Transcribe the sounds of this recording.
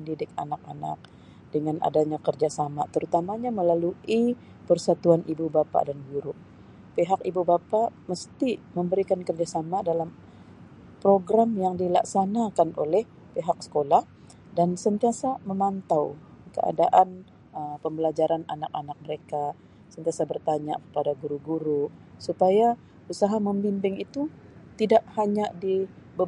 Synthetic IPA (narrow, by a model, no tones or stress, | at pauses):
əndidɪk̚a̰nak̚a̰na̰k̚ | dəŋanʔa̰daɲakərd͡ʒasamat̪əɾut̪amaɲaməlalui | pərsat̪uanʔibubapa̰danɡuɾʊʔ | peɦakibubapaməst̪iməmbəɾikankərd͡ʒasamadalam | pɾoɡɾamjaŋdila̰ksanakanʔolɛh | peɦak̚sə̥kolah | dansənt̪iasaməmant̪aw | kə̰a̰daʔan | əmpəmbəlad͡ʒaɾananak̚anak̚məɾeka | sənt̪iasabərt̪aɲa̰kə̥padaɡuɾuɡuɾusupaja | usaɦaməmbimbɪŋit̪u | t̪idaʔhaɲadibə